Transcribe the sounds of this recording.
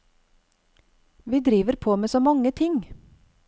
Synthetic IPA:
ʋiːd̪ɾiːʋəɾpʰoːmeːsoːmɑŋət̪ʰɪŋ

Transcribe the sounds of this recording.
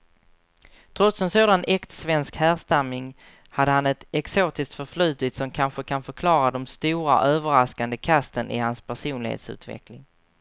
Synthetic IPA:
t̪ʰɾɔt̪sɛnsoːd̪anɛkt̪svɛnskhæːɾst̪amːɪŋ | had̪ːəhanɛt̪ɛksoːt̪ɪsk̚t̪fœɾflʉ̟ːt̪ɪt̪sɔmkʰanɧəkʰanfœɾkʰlɑːɾad̪ɔmst̪uːɾa̰ʔøːvəɾaskand̪əkʰast̪ənʔɪ̰hanspʰæʂuːnlɪhḛːt̪sʉ̟̰ːt̪vɛ̰klɪŋ

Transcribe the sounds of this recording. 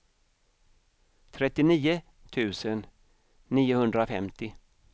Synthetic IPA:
t̪ʰɾɛt̪ːɪniːə | t̪ʰʉ̟ːsənː | iːʊhɵnd̪ɾafɛmt̪ɪ

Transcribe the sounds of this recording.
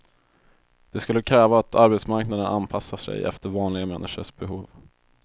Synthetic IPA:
d̪̥ɛskɵlːəkʰɾɛːvaːt̪ʰaɾbɛt̪smaɾknad̪ənanpʰasːaʂɛ̰jɛ̰ft̪əɾvɑːnlɪɡamɛnːɪʂə̰ʂb̥ɛɦuːv

